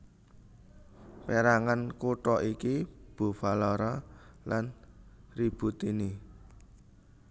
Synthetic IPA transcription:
peɾaŋankuʈɔʔikib̥o̤falɔɾɔlan | rib̥ṳt̪ini

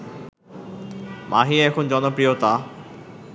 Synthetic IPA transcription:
mʔaɦiɛkʰond͡ʑɔnopɾijot̪a

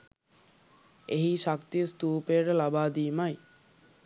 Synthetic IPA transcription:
eɦiʃakt̪ijəst̪uːpeʈelabaːd̪iːmaj

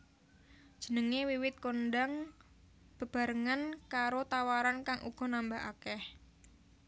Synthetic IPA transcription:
d̥d͡ʒʒ̥ə̤nəŋewiwɪt̪̚konɖaŋ | b̥ə̤b̥a̤ɾəŋankaɾot̪awaɾankaŋʔṵɡ̥ɔ̤nambaɦa̰kɛh

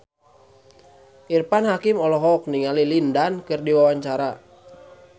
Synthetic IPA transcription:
ʔirpanɦakimɔlɔɦɔk̚niŋalilindankɨrdiwawaɲt͡ʃaɾa

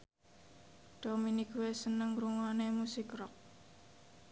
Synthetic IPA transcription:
d̪̥ominiɡuwesənəŋɾuŋanemusikɾɔk̚

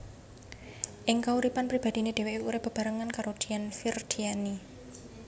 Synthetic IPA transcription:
ʔɪŋkauɾipanpɾib̥a̤d̪̥i̤ned̪̥eweʔuɾɪhb̥ə̤b̥a̤ɾəŋankaɾod̪̥ianfird̪̥iani

